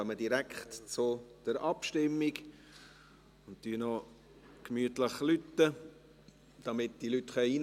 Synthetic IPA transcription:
œmədiɾækχtt͡sʊd̥əɾɑpʃtɪmːiɡ | ʊnttyənɔ | kmyətləχlytːə | d̥ɑmɪtd̥ilytχœiːn

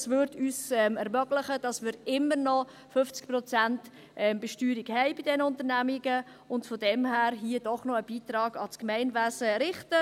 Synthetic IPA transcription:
svʏɾdyːsɛmɛɾmœɡləχəd̥ɑsmɪːɾɪmːəɾnɔ | fʏft͡sk̚pɾɔt͡sænt | ʔɛmb̥ɛʃtyːɾiɡhɛɪbidɛnəʊntəɾnæmiɡə | ʊntfɔdɛmɦæːɾɦiəd̥ɔχnɔəb̥iːtɾɑːɡ̥ɑskmɛɪnvæsəɾɪχtə

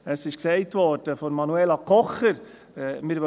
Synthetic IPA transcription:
əsɪʃksɛɪtʋɔrd̥əfɔɾmɑnuɛlɑkʰɔχəɾ | mɪɾʋœ

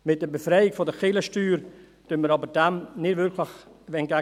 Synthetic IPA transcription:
mɪt̚d̥əbefɾɛɪɪkfɔdəχɪləʃtyːɾ | d̥ønməɾɑbəd̥ɛmnɪdvʏɾkʰləxvɛnɡa

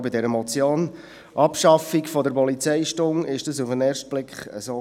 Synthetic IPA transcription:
bɪdɛɾəmɔt͡sjoːn | ʔɑpʃɑfikfɔdəɾpɔlit͡sɛɪʃtʊŋɪʃd̥ɑsufənɛːrʃt̚b̥lɪkχə̰soː

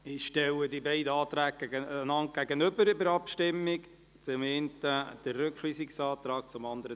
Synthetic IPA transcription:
ɪʃtɛwədibɛɪdəɑːtɾæːk̚ɡæɡənɑnt̚ɡ̥æɡənøbəɾɪbəɾɑpʃtɪmːɪk | t͡sʊmentəd̥ərːʏkχliːsiksɑːt̪ɾɑːk̚t͡sʊmɑnd̪əɾə

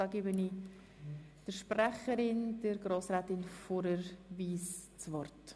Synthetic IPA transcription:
ɑːɡeːbəniː | d̥əɾʃprɛχəɾɪnd̥əɾɡɾoːsɾɛːtɪnfoɾəɾviːst͡svɔrt

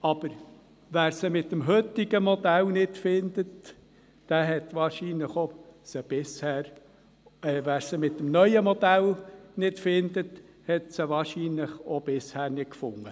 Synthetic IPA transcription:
ɑb̥əɾ | ʋæːɾsəmɪt̪ːəmɦøt̪ːiɡəmɔd̪ælnɪtfɪnd̪ət | d̥æːɦɛt̪ʋɑːɾʃiːnləχosəb̥ɪshæːɾ | ɛːʋæːɾsəmɪt̪ːəmnœʏəmɔd̪ælnɪtfɪnd̪ət | hɛt̪səʋɑːɾʃiːnləχob̥ɪshæːɾnɪt̚kfʊŋːə

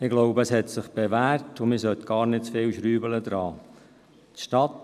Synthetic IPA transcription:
ɪɡloʊbəəshɛt̪sɪχb̥eʋæːɾtʊmɪsœt̪ɡ̥ɑːɾnɪtt͡sfɪlʃɾyːbələd̪ɾɑː | tʃtɑt

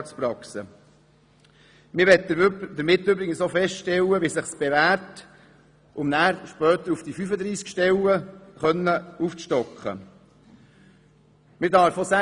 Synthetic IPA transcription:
t͡spɾɑksə̰ | mɪɾʋɛtd̥̪əɾmɪtːøbɾɪɡənsofɛstʃtɛləʋisɪχsb̥eʋæːɾt | ʔʊmnæːɾʃpœːt̪əɾufd̥ifyfəd̪ɾiːskʃtɛləχœnːəuːft͡sʃtɔkχə̰ | mɪɾdɑːɾfɔsæ

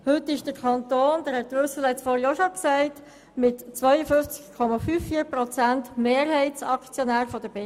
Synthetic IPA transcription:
hɵtːɪʃd̥əɾkʰɑnt̪oːnd̥æːɾhɛt̚ɾʏsl̩hɛt͡sfɔːɾjoːʃoksæɪt | mɪtt͡sʋœʏəfʏft͡skkʰːɔmɑfyːfːiːəɾpɾɔt͡sæntmeːɾhɛɪtsɑkt͡sjɔnæːɾfɔd̥əb̥e

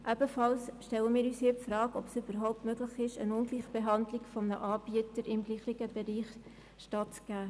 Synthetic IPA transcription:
ʔæb̥əfɑlsʃtɛləmiːɾyːshiːpfɾɑːkɔpsʏb̥əɾɦɔʊp̚tmøɡlɪχɪʃə̰nʊŋɡliχb̥eɦɑndlɪkfɔmnə̰ʔɑːb̥iətəɾɪmɡliːχɪɡəbɛɾiːχ | ʃtɑtt͡sɡ̥æː

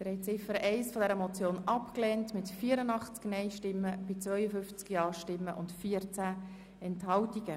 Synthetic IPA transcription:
d̥əɾɛt͡sɪfəɾʔɛɪsfɔdɛɾəmɔt͡sjoːnɑpklɛːntmɪtfiːəɾənɑχt͡sknɛɪʃtɪmːəb̥ɪt͡svœʏəfʏft͡skiɑːʃtɪmːəʔʊntfiːəɾt͡sæ | ɛnthɑwtiɡə

